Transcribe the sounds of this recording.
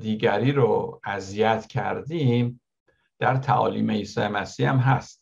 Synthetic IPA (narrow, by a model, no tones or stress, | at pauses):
d̪iːɡæɾiːɾoæzijæt̪ʰcʰæ̰ɾd̪im | d̪̥æɾt̪ʰæʔɒ̰ːliːmeiːsɒːemæsiːæmɦæst̪